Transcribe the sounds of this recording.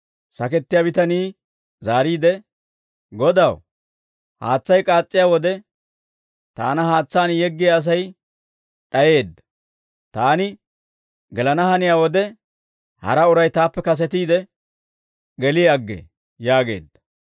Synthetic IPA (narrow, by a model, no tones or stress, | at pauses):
sɐkɛt̪ːɪjabɪt̪ɐniː | zaːɾiːd̪ɛ | ɡɔd̪ɐw | ha̰ːt͡sːɐjkʼaːt͡sʼːɪjaːwɔd̪ɛ | t̪a̰ːnɐhaːt͡sːaːnjɛɡːɪjaːs̬ɐj | ɗɐje̞ːd̪ːɐ | t̪aːnɪ | ɡɛlɐnɐhɐnɪjaːwɔd̪ɛ | hɐ̰ɾɐʊɾɐjt̪aːpːɛkɐs̬ɛt̪iːd̪ɛ | ɡɛlɪjɐɡːḛ | jaːɡe̞̰ːd̪ːɐ